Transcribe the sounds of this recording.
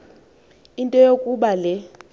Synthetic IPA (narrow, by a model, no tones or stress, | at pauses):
intʼɔjokʼuɓalɛ